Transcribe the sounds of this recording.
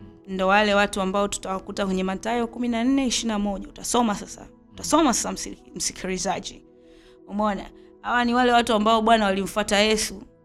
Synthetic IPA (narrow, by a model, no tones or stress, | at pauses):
ndɔwalɛwatuambaɔtu̥tawakutakwɛɲɛmatajɔkuminan̩nɛiʃinamɔʄautasɔmasasa̰ | utasɔmasḁsam̩si̥kʰiɾizaʄi | umɔna̰ | hawaniwalɛwatuambaɔɓwanawalim̩fwatajɛsu